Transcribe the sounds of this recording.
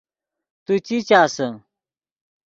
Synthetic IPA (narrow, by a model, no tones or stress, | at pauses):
t̪ut͡ɕit͡ɕaːsə